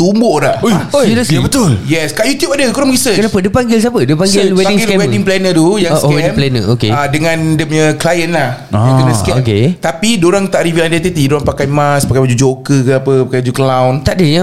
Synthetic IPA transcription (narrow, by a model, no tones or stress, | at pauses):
t̪umbɔhlaʔojodəabət̪uljɛskaʔjut̪jupadəkoɾamɾisəkət͡ʃnapədəpaŋɡɪls̬apədəpaŋɡɡɪlweiŋɡɪlwɛdiŋplɛnət̪ujãŋswɛmplɛnə̰okḛadəŋãndəmɲəklajənlah | kəəkɛmket̪apidoɾaŋt̪aʔɾivilandɛt̪ət̪idoɾaŋpakajmaspakajbad͡ʒud͡ʒokəkəapəpakajad͡ʒuklawnt̪aʔdəja